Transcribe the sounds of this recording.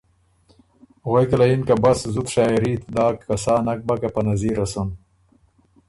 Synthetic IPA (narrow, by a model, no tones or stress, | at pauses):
ɣejkalainkabɐszut̪ʂaːiɾiːt̪d̪aːkːɐsaːnɐk̚bɐkapɐnɐziːɾɐsun